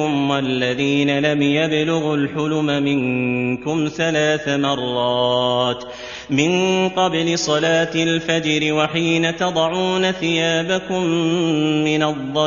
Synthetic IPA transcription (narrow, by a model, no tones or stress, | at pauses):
ʊmwalːaðiːnalamjablʊɣʊlħʊlʊmamɪŋkʊmθalaːθamɑrˤːɑːt̪ | mɪnqɑblɪsˤɑlaːt̪ɪlfad͡ʒɾɪwaħiːnat̪ɑd̪ˤɑʕuːnaθɪjaːbakʊmː | ɪnɑðˤːɑ